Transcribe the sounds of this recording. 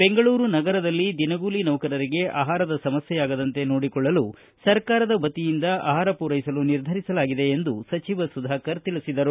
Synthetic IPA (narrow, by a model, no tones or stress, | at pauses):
be̞ŋɡɐɭuːɾunɐɡɐɾɐd̪ɐlːid̪inɐɡuːlinɐwkɐɾɐɾiɡe̞ʔa̰ːɦaːɾɐd̪ɐsɐmɐsjɛjaːɡɐd̪ɐnt̪e̞noːɽikɔɭːɐlu | sɐɾkaːɾɐd̪ɐbɐt̪ijind̪ɐʔa̰ːɦaːɾɐpuːɾɐjsɐluniɾd̪ʱɐɾisɐlaːɡid̪e̞ːnd̪usɐt͡ʃiʋɐsud̪ʱaːkɐɾt̪iɭisid̪ɐɾu